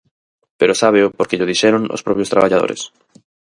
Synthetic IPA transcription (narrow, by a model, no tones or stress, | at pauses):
peɾosaβeopoɾkeʎoð̞iʃɛɾoŋo̰spɾɔpjost̪ɾaβaʎað̞o̰ɾʔḛs